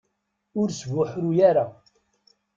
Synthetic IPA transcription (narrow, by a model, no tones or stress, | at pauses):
ʊɾsvʊħɾujaɾa